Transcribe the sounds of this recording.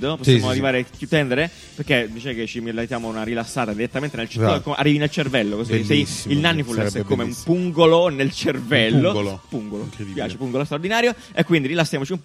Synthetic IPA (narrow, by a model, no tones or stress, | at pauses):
d̪oposjmoarːivaːɾekːjut̪ːɛnd̪eɾe | perkːed̪it͡ʃaket͡ʃːimlent̪ːjaːmounaɾilasːaːt̪ad̪iɾet̪ːament̪enelt͡ʃi̥akːomeʔa̰rːivinelt͡ʃervɛlːokosisɛilnanːifulːɛsɛkːomeumpuŋɡolonelt͡ʃervɛlːolpuŋɡolo̰kipjaːt͡ʃepuŋɡolost̪ɾaord̪inaːɾjo | ekwind̪iɾilasːjaːmot͡ʃiump